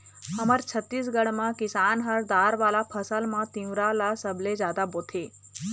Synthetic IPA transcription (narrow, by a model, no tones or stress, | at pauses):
həməɾt͡ʃʰət̪ːis̬ɡəɽmãkɪsaːnɦəɾd̪aːɾʋaːlapʰəsəlmãt̪ĩʋɾalasəbled͡ʒjaːd̪aboːt̪ʰeː